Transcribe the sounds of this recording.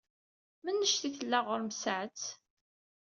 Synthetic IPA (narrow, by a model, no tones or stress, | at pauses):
mənːəʃθiθəlːæʁəɾmsaʕt͡s